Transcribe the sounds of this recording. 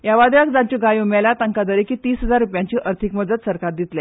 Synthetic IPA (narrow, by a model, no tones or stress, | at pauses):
jaʋad̪jakd͡zat͡ɕiɡajumalat̪əŋkad̪əɾekiːt̪iːsɦəd͡zaɾːupjãɲt͡ɕiːʔəɾt̪ʰikməd̪ət̪səɾkat̪̚d̪it̪lɛ